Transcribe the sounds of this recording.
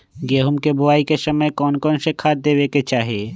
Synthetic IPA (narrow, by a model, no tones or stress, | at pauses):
ɡeːɦʊmkebʊaːikesɐməjkɔːnkɔːnsekʰaːt̪̚d̪eːweket͡ʃaːɦieː